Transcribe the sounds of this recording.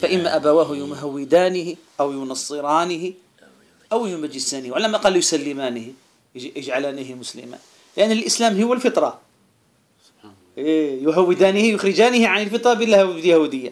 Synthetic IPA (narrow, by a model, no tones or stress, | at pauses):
faʔɪmːaʔabawaːɦʊjumɦawːɪd̪aːnɪhɪ | ʔawjʊnɑsˤːɨɾɑːnɪhɪ | ʔawjʊmad͡ʒɪsaːnɪhwʕalamʔqɑːlːjʊsalːɪmaːnɪhɪ | jɪd͡ʒʕalaːniɦɪmʊslɪ̰ma̰ːn | lɪʔanːɪlʔɪslaːmɦʊwːalfɪt̪ˤɾˤɑ | ejʊɦawːɪd̪aːnɪhɪjʊxɾɪd͡ʒaːnɪhɪʕanɪlfɨt̪ˤɾˤɑbɪlːhbɪljahuːd̪ɪjːa